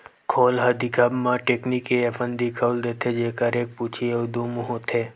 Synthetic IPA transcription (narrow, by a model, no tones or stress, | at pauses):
kʰoːlɦɐd̪ikʰəbmãʈeːknikeɐfənd̪ikʰəld̪eːt̪ʰed͡ʒeːkəɾeːk̚put͡ʃʰiod̪umuɦot̪ʰeː